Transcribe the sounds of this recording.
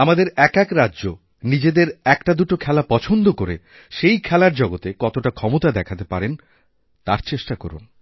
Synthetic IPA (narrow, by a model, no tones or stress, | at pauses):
amad̪eɾɛkɛkɾadːʑo | nid͡ʑed̪eɾɛkʈad̪uʈokʰɛlapɔt͡ɕʰond̪okoɾe | ʃejkʰɛlaɾd͡ʑɔɡot̪ekɔt̪oʈakʰɔmot̪ad̪ɛkʰat̪epaɾen | t̪aɾt͡ɕeʃʈakɔ̰ɾṵn